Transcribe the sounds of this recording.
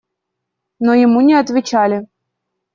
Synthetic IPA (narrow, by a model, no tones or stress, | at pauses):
nojɪmunʲɪɐt̪vʲɪt͡ɕalʲɪ